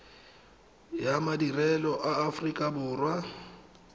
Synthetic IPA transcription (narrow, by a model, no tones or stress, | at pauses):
jamadirɛlɔʔaːfrikʼabʊːrwa